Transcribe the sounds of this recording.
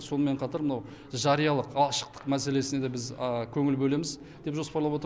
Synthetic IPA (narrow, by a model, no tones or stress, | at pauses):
so̞nəme̞ɴqʰɑt̪ɑɾmənɑw | ʒɑɾijɑlˠəqɑʃə̥qt̪ə̥qmæse̞le̞sɪnee̞bɪzkʲʰɵŋɪlbɵle̞mɪz | d̪e̞pʒo̞spɑɾlˠɑpwot̪